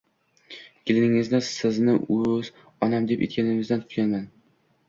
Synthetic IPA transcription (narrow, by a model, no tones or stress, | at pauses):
ɡ̥ʲɪlɪnɪŋɪzd̪asɪznɪɵz | ɒnamd̪e̞pḛt̪̚kʲanɪŋɪzd̪ant̪ʰʊ̥t̪kʲanman